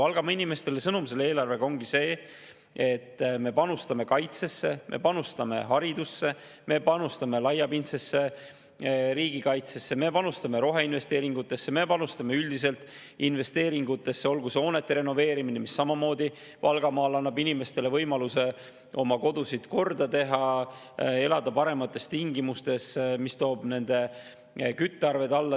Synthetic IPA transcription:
ɑlɡ̥ɑmɑinime̞st̪e̞le̞sɤnumse̞le̞ːlɑrve̞ɡ̥ɑoŋɡ̥ise̞ː | e̞t̪ːme̞pɑnust̪ɑme̞kɑjt̪se̞sːe̞mʔḛpɑnust̪ɑme̞̰ɦɑɾid̪usːe̞ | me̞pɑnust̪ɑme̞lɑjːɑpint̪se̞sːe̞ | ɾiːɡikɑjt̪se̞sːe̞me̞pɑnust̪ɑme̞ɾo̞ɦe̞inve̞st̪e̞ːɾiŋɡ̥ut̪ːˑe̞sːe̞me̞pɑnust̪ɑme̞yld̪is̬e̞lt̪ | inve̞st̪e̞ːɾiŋɡut̪ːˑe̞sːe̞o̞lɡuso̞ːne̞t̪ːe̞ɾe̞no̞ve̞ːɾiminemisːɑmɑmo̞ːd̪i | vɑlɡ̥ɑmɑːlɑnːɑbinʲime̞st̪e̞le̞vɤjmɑluse̞ | o̞mɑko̞d̪̥usid̪̥ko̞rd̪̥ɑt̪e̞ɦɑ | e̞lɑd̪ɑpɑɾe̞mɑt̪ːˑe̞st̪iŋɡimust̪e̞smist̪o̞ːb̥ne̞nd̪e̞ | kyt̪ːˑeɑrve̞d̪ɑlːɑ

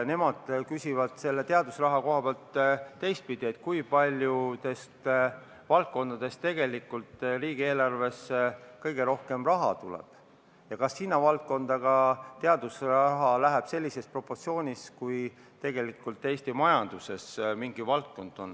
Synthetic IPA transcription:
ne̞mɑd̪̥kysʲivɑd̪̥se̞lːe̞t̪eɑd̪̥usrɑɦɑko̞ɦɑb̥eɑlt̪ːe̞jst̪̚pid̪̥ie̞t̪̚ːˑkujpɑlʲjut̪e̞st̪ | vɑlt̪̚ko̞nd̪̥ɑd̪̥e̞st̪e̞ɡ̥e̞likːˑult̪riːɡ̥ie̞ːlɑrve̞skɤjɡ̥e̞ɾo̞hke̞mrɑɦɑ̰t̪ulɛ̰b̥ | jɑkɑsːinːɑvɑlt̪̚ko̞nd̪̥ɑɡ̥ɑt̪e̞ɑd̪̥usrɑɦɑlæɦæb̥se̞lʲːise̞spro̞pːo̞rt̪sio̞ːnʲiskuj | t̪e̞ɡ̥e̞likːult̪ːˑeːst̪imɑjɑnd̪̥use̞smiŋɡivɑlt̪̚ko̞nd̪̥o̞n

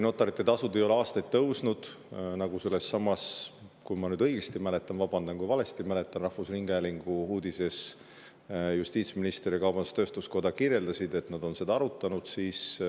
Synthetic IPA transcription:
no̞t̪ːˑɑɾit̪ːˑe̞t̪ɑsud̪̥e̞jo̞le̞ɑːst̪ɑjt̪̚t̪ːɤwsnud̪̥ | nɑɡ̥use̞lːe̞sːɑmːɑskujmɑnyːd̪ɤ̞jɡ̥est̪imæle̞t̪ːˑɑnvɑb̥ɑnd̪ɑnkujvɑle̞st̪imæle̞t̪ːˑɑnrɑhfusriŋɡ̥æliŋɡ̥uhuːd̪̥ise̞s | just̪iːt̪sminist̪eɾikɑwb̥ɑnd̪ust̪ø̞ːst̪usko̞d̪̥ɑkirje̞ld̪ɑsid̪e̞t̪nɑd̪̥o̞nse̞d̪̥ɑɑɾut̪ːˑɑnud̪̥siːs

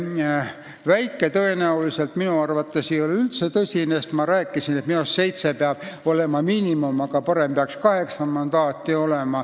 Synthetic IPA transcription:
væjkːˑe̞t̪ɤe̞næulise̞lt̪minuɑrvɑt̪ˑːesijolylt̪se̞t̪ɤsʲinest̪mɑɾæːkːˑisinet̪minosse̞jt̪se̞peɑb̥o̞le̞mɑmiːnimumɑɡɑpɑɾe̞mpeɑkskɑhe̞ksɑnmɑnd̪̥ɑːt̪ːˑio̞le̞mɑ

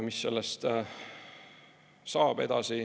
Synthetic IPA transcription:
misːe̞̰lːest̪ | sɑːb̥e̞d̪̥ɑsi

